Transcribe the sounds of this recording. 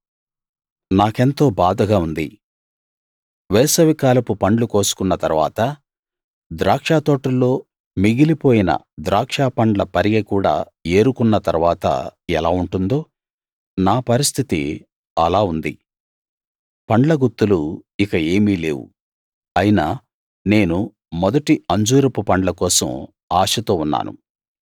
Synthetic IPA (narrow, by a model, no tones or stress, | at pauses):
naːke̞nt̪o̞ːbaːd̪ɐɡaːund̪i | ʋɛːsɐʋikaːlɐpupɐɳɖluko̞ːsu̥kunːɐt̪ɐɾuʋaːt̪ɐ | d̪ɾaːkʂaːt̪o̞ːʈulːo̞ː | miɡilipo̞ːjinɐ̰ | d̪ɾaːkʂaːpɐɳɖlɐpɐɾiɡeːkuːɽa̰ː | e̞ːɾukunːɐt̪ɐɾuʋaːt̪ɐ̰ɛlaːuɳʈund̪o̞ː | naːpɐɾist̪ʰit̪ḭ | ɐlaːund̪ḭ | pɐɳɖlɐɡut̪ːuluikɐe̞ːmiːle̞ːwṵ | ɐjinaː | ne̞ːnu | mɔd̪ɐʈiɐɲd͡ʒuːɾɐpupɐɳɖlɐkɔːsɐ̰m | aːʂɐt̪oːunːa̰ːnṵ